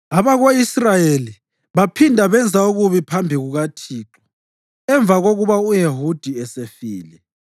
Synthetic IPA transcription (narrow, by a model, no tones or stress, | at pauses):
aβaɣoisrajeli | βapʰindʱaβɛnd͡zʱauɣuβipʰambʱiɣuɣatʰiːǁɔ̥ | ɛɱb̪vaɣoɣuβaujeɦud̥ʱiɛsefiːlɛ